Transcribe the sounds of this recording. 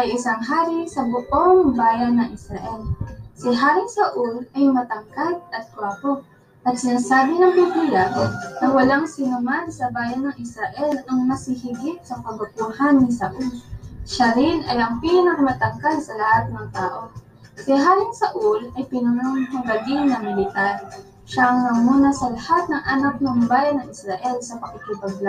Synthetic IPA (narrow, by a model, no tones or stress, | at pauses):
ʔɐjɪsaŋɦaːɾisɐbʊʔoŋbaːjɐnːɐŋʔɪsɾɐʔɛlsɪɦaːɾɪŋsɐʔulɐjmɐt̪ɐŋkat̪̚ɐt̪̚kwɛɾpo | ʔɐt̪̚sɪnɐsaːbɪnɐŋbubiːlɐnɐwɐlaŋsɪnʊmansɐbaːjɐnːɐŋʔɪsɾɐʔɛlɐŋnɐsɪhiɡɪt̪̚sɐkɐbʊt̪̚uhanːɪsɐʔulʃaɾɪnɐjɐŋpiːnɐkɐmɐt̪ɐkalsɐlɐhat̪̚nɐŋt̪aːʔo̞ | kɛɦaːlɪŋsɐʔulɐjpɪnʊnoŋhɐɡɐɡɪŋnɐmɪlɪt̪aɾ | ʃaŋnɐmuːnɐsɐlɐhat̪̚nɐŋʔanak̚nɐŋbaːjɐnːɐŋɪsɾaʔɛlsɐpɐkɪkibɐɡla